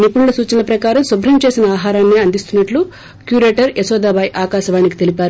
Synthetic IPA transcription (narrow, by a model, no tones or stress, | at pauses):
nipuɳlɐsuːt͡ʃɐnɐpɾɐkaːɾɐmsubɾɐmt͡ʃe̞ːsinɐaːɦaːɾaːnːeɐnd̪ist̪unːɐʈlu | kjuːɾeːʈɐɾesɔːd̪aːbaːjʔaːkaːʃɐʋaːniki̥t̪e̞lipaːɾu